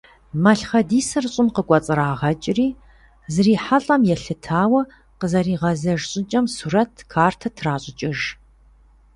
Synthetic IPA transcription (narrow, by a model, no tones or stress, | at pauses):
mɐɬχɐdiːsɐrɕʼɪnqəkʷʼɔt͡sʼɨɾaːʁɐt͡ʃʼriː | zɨriːħaɬʼɐmjɛɬɨtʰaːwɐ | qəzɐriːʁɐzɐʒɕʼɪt͡ʃʼɐmsuːɾɐtʰkʰaːrtʰɐtʰraːɕʼɪt͡ʃʼɪʒ